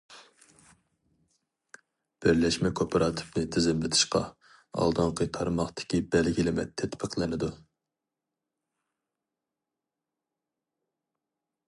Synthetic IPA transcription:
b̥ɪɾlɛʃmɛkʰopʰɑɾɑt̪ʰɨ̥pnɨt̪ʰɪzɪmlɪt̪ʰɨ̥ʃqɑ̰ | ɑ̰lˠd̪ɑŋqʰət̪ʰɑɾmɑχt̪ɪ̥kʲibɛlɡʲilɪmɛ̰t̪ʰːɛt̪pʰəqlˠɪnɪd̪u

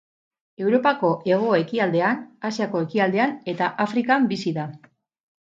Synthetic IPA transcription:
e̞wɾo̞pako̞ʔe̞ɣ̞o̞e̞kiald̪e̞anasiako̞e̞kiald̪e̞ane̞t̪aʔafɾikambisiða

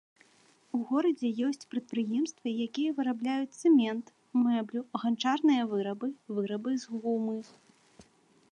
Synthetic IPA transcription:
uɣɔɾɐd͡zʲɛjɔsʲt͡sʲpɾɐt̪̚pɾɨjɛmst̪vɐjakʲijɐvɨɾablʲajut͡sʲsɛmʲɛnt̪ | mɛblʲuɣant͡ʂarnɨjɐvɨɾɐbɨvɨɾɐbɨzɣumɨ

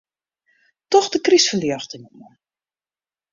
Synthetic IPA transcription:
tɔxdəkrisfəljəxtənəmɔ

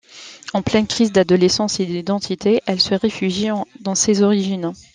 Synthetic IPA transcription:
ɑ̃plɛnkχizd̪ad̪ɔlesɑ̃sed̪id̪ɑ̃t̪ʰit̪ʰeʔɛlsəʁefyʒjid̪ɑ̃sezɔʁiʒin

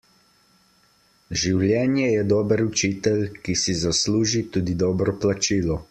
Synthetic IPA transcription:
ʒiwljɛːnjɛjɛd̪ɔːbəɾut͡ʃiːt̪ɛlkisizasluːʒit̪uːd̪id̪ɔːbɾɔplat͡ʃiːlɔ

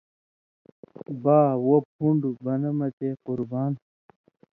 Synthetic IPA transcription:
baːwop̚ʰuɳɖubɐnɐmɐt͡ɕequɾbaːn

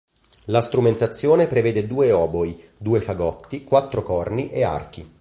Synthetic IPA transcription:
last̪ɾument̪at̪sːjoːnepɾeveːd̪ed̪uːeɔːboid̪uːefaɡɔt̪ːikwat̪ːɾokɔrniʔea̰rk̟i

